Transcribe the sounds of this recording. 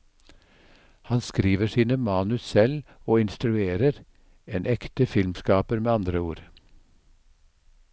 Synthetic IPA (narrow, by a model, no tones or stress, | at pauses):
hɑnskɾiːʋəsiːnəmɑːnʉssɛloːɪnst̪ɾʉeːɾəɾ | eːnʔɛkt̪əfɪlmskɑːpəɾmeːɑnd̪ɾəuːɾ